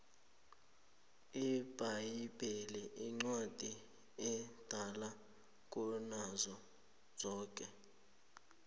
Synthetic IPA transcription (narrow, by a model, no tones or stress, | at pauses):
ib̥ʱajib̥ʱɛlɛʔiŋ͡ǀwad̥ʱi | ɛd̥ʱala | k̬ʼunazɔ | d͡z̥ʱɔːk̬ʼɛ